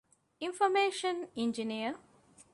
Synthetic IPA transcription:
ĩnfomeːʃɐniɲd͡ʒiniə

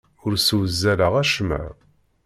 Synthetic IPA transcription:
ʊɾsuwəzːæləʁæʃmæ̰ɾ

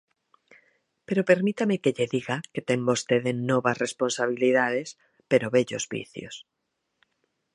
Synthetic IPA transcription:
peɾopeɾmit̪amekeʎeðiɣaket̪embost̪eðenɔβasresponsaβ̞iliðaðes | peɾoβɛʎozβḭθjo̰s

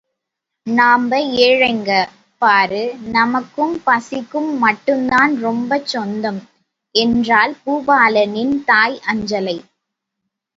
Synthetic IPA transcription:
naːmbɐeːɻɐɪŋɡɐ | paːɾɯnɐmɐkːɯmpɐsɪkːɯmːɐʈːɯmd̪aːnɾɔmbɐt͡ʃːɔnd̪ɐm | ɛndraːlpuːbaːlɐnɪnt̪aːjʔɐɲd͡ʒɐlɐɪ

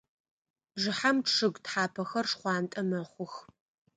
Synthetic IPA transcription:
ʐɨħamʈ͡ʂʰɨɡtħaːpʰɐxɐrʂχʷɑːntʼɐmɐχʷʊx

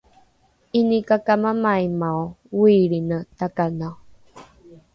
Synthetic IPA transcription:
inikakamamajmawwiɭinətakana

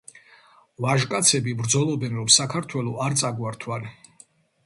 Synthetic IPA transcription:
vaʒkʼat̪sʰɛbibɾd̪zɔlˠɔbɛnɾɔmsakʰaɾt̪ʰwɛlˠɔʔaɾt̪sʼaɡwaɾt̪ʰwan

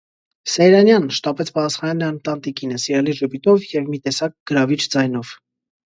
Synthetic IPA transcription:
sɛjɾɑnjɑnʃt̪ɑpɛt͡sʰpɑt̪ɑsχɑnɑnɑnt̪ɑnt̪ikinəsiɾɑliʒəpit̪ɔvjɛvmit̪ɛsɑk̚ɡ̥əɾɑvit͡ʃʰd͡zɑjnɔv̥

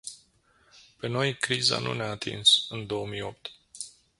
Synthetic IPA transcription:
pe̞no̞jkɾiza̰nṵneaːt̪ḭnsɨnd̪o̞omijo̞p̚t̪

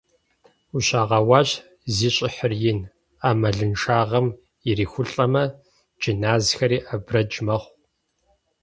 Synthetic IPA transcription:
uɕaːʁɐwɑːɕ | ziːɕʼɪħərjɪn | aːmɐɮɨnʂaːʁɐm | ɪriːxʷʊɬʼɐmɐ | d͡ʒinaːzxɐɾiːʔɐbrɐd͡ʒmɐχʷ

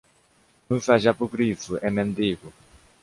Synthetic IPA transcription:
nũsaʒapukɾisuʔɛmẽnd̪iːɣu

